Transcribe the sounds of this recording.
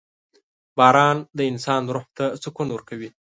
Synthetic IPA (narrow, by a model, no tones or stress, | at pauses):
bɑːɾɑnd̪əɪnsɑnɾʊht̪asʊkunwəɾkawi